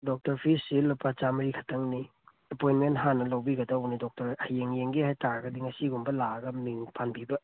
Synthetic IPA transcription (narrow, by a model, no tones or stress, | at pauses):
dok̚tɐɾpʰisːilupʰːat͡ʃamɐɾikʰɐ̥tɐŋni | ɐpojnmentɦanːɐlɐwbiɡɐdɐwnidɔk̚tɐɾɐjeŋjeŋɡiɦajtʰaɾɐɡɐdiŋɐsiɡumbɐlaɡɐmiŋpʰanbibɐ